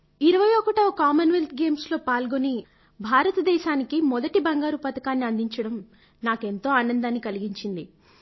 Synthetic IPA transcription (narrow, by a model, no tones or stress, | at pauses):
iɾɐʋɐjɔkɐʈɐkaːmɐnʋelt̪ɡe̞ːmslo̞ːpaːlɡoni | bʱaːɾɐt̪ɐd̪ɛːʃaːnikimɔd̪ɐʈibɐŋɡaːɾupɐt̪ɐkaːnːiɐnd̪iɲt͡ʃɐɽɐm | naːkent̪o̞ːaːnɐnd̪aːnːikɐliɡiɲt͡ʃind̪i